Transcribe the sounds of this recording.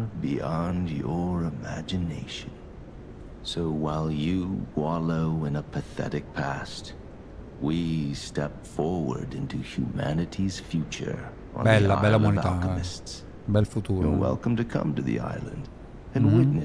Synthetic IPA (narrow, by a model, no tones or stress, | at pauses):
biɑ̃ndjə˞ɪmæd͡ʒɨneɪʃɨ̃n | soʊwaɪlˠjɨwɑlˠoʊɪ̃nəpʰɨθɛ̰ɾɨk̚pʰæst | wistɛpfɔɹwə̰˞ɾɪ̃ntʉhjʉmænɨɾiz̥fjʉt͡ʃə̰˞ | ə̰̃nɛlːaa̰ɪɛlːaunitəmɨsts | bɛlfut̪uːəwɛ̰lˠkə̃m̩tɨkʰʌ̰̃mtɨðḭʔa̰ɪlˠɨ̰̃nd | ɨ̃nwɪtⁿnɨ